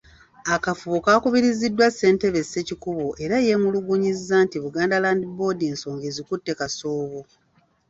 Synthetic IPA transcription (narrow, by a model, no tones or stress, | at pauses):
akafuβukaːkuβiɾizidːwasːe̞ːnteβe̞sːe̞cikuβo̞ʔe̞ɾaje̞muluɡuɲizːaːntiβuɡaːndalaːndibo̞ːdieːnso̞ːŋɡe̞zikutːe̞kasoːβo